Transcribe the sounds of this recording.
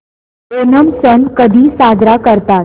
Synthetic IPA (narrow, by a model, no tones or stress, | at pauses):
onəmsənkəd̪ʱiːsad̪ʱɾakəɾt̪a